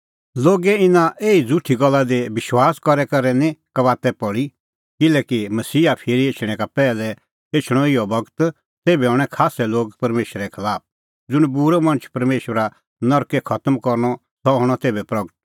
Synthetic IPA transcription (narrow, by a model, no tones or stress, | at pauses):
loːɡɛɪnãʔeːid͡zuʈʰiɡɔlːad̪ebɪʃwaːskɔɾɛkɐɾɛnĩkɐʋaːt̪ɛpɔɽi | kɪlɛːkimɐsiːapʰɪɾieːt͡ʃʰɽ̃ɛ̃kapɛːlɛ | eːt͡ʃʰɽ̃ɔɪjɔbɐɡt̪ | t̪eːbɛɔɽ̃ɛkʰaːsɛloːɡ̚pɐɾmeːʃɾɛkʰɐlaːp̚ | d͡zʊɽ̃buɾɛmɐ̃nət͡ʃʰpɐɾmeːʃwɾa | nɔɾkɛkʰɐt̪əmkɔɾñɔ | sɔɦɔɽ̃ɔt̪eːbɛpɾɐɡət̪̚